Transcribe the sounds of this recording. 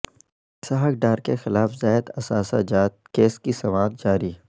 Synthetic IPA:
saɦəkɖaːɾkexɪlaːfzaːɪd̪ɐsaːsad͡ʒaːt̪keːskisɐʋaːd̪̚d͡ʒaːɾi

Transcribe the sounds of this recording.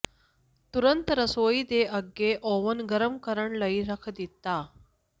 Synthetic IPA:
t̪uɾənt̪ɾəsoid̪eʔəɡːeʔoʋənɡəɾəmkəɾəɳləiɾəkʰd̪it̪a

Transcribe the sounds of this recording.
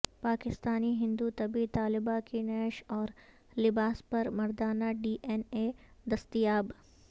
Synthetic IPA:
paːkɪst̪aːniɦɪ̃nd̪ut̪ɐbit̪aːlɪbakinɛːʃɔːɾ | lɪbaːspɐɾmɐɾd̪aːnaɖiːʔɛned̪ɐst̪ijaːb

